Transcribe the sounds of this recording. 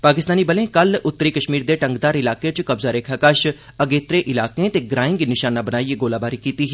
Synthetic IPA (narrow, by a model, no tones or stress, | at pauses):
paːkɪst̪aːniːbəlẽːkəlʊt̪ːəɾiːkəʃmiːɾd̪eːʈəŋɡd̪aːɾɪlaːkẽt͡ʃkəbzaːɾeːkʰaːkəʃ | əɡeːt̪ɾeːʔɪlaːkẽːt̪eːɡɾaːɪ̃ŋɡnɪʃaːnaːbənaːieɡoːlaːbaːɾiːkiːt̪iːɦɛː